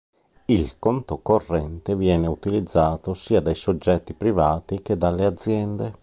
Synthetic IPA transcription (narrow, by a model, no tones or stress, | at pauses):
ilkont̪okorːɛnt̪evjɛːneut̪ilid̪zːaːt̪osiːad̪ajsod͡ʒːɛt̪ːipɾivaːt̪ik̟ed̪alːead̪zːjɛnd̪e